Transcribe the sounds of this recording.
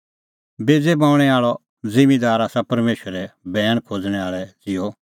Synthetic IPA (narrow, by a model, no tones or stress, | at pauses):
beːd͡zebãʊ̃ɽ̃ɛaːɭɔ | d͡zɪ̃mid̪aːɾaːsapɐɾmeːʃəɾɛbɛːəɽ̃kʰod͡zɽ̃ɛaːɭɛd͡zɪjɔ